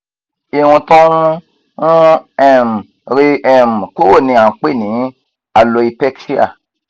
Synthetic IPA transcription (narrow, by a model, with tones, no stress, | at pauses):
i˨wũ˧tõ˦nũ˦ | ŋũ˦ɛ˨m˨ | ɾi˧ʔɛ˨m˨ko˦wo˦˨nĩ˧ã˨k͡pe˦˨nĩ˨˦ | a˧lo˧i˧pɛ˦kʃi˦a̰˦˨